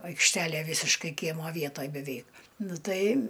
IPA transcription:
ɐɪkʃʲˈtʲæːlʲeː ˈʋʲiːsʲɪʃkɐɪ ˈkʲiɛmoː ˈʋʲiɛtoːj bʲɛˈʋʲɛɪk ˈnʊ ˈtɐɪ

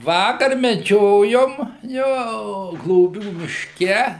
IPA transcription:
ˈʋɑːkɐr mʲɛˈd͡ʒʲoːjoːm ˈjoː ɡlˠoːˈbʲuː mʲɪʃʲˈkʲɛ

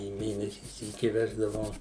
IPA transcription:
iː ˈmʲeːnʲɛsʲiː ˈsʲiːkʲɪ ˈʋʲæːʒdɐʋɐʊ

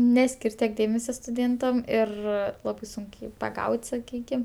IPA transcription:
ˈnʲæːsʲkʲɪrʲ tʲiɛk ˈdʲeːmʲɛsʲoː stʊˈdʲeːntɐm ɪr ˈlˠɑːbɐɪ ˈsʊŋk jiː pɐˈɡɐʊtʲ sɐˈkʲiːkʲɪm

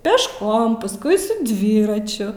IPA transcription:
pʲɛʃˈkoːm pɐsˈkʊɪ sʊ ˈdʲʋʲiːrɐt͡ʃʲʊ

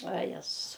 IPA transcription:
ʋɐ ˈjæːzʊs

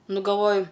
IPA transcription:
ˈnʊ ɡɐlˠˈʋoːjʊ

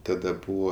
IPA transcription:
tɐˈdɐ ˈbuːʋoː

